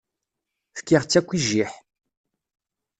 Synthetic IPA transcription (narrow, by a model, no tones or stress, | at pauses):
θkːiʁt͡sːækʷːiʒiħ